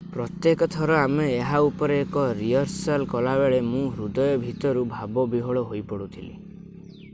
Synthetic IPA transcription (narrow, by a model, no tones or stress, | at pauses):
pɾɔt̪jekɔt̪ʰɔɾɔameːɦaupɔɾeːkɔɾiɔɾsalkɔlabeɭemũɦɾud̪ɔjɔbʱit̪ɔɾubʱabɔbiɦɔɭɔɦojpɔɽut̪ʰilḭ